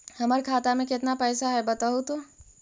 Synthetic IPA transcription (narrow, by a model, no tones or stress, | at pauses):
hɐməɾkʰaːt̪amẽkɪt̪napɛːsaɦɛbɐt̪aɦut̪o